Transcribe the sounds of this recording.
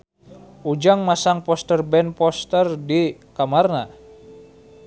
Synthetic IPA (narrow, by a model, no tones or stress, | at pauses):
ʔud͡ʒaŋmasaŋpɔst̪ərbɛnpɔst̪ərdikamarna